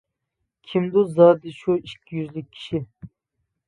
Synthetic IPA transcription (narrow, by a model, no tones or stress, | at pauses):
kʲʰimd̪uzɑːd̪iʃuikʲʰːijyzlɪkʲʰːi̥ʃi